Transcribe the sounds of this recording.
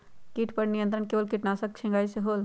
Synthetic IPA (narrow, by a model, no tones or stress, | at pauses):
kiːʈʰpɐɾnijə̃nt̪ɾənkeːʋəlkɪʈnaːsɐk̚t͡ʃʰɪ̃ŋɡaːiseɦoːl